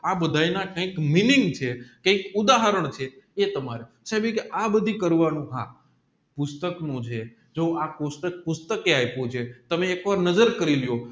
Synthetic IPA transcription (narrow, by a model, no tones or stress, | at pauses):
abəd̪ʱajnakə̃ɪ̃kminɪŋɡt͡ʃʰekə̃ɪ̃kud̪aɦəɾəɳ̃t͡ʃʰeet̪əmaɾe | sabekeʔabəd̪ʱĩkəɾʋanũɦã̰ | pʊst̪əknũt͡ʃʰe | d͡ʒoapʊst̪ək̚pʊst̪əkeajpũt͡ʃʰet̪əmeːkʋaɾnəd͡ʒəɾkəɾiljo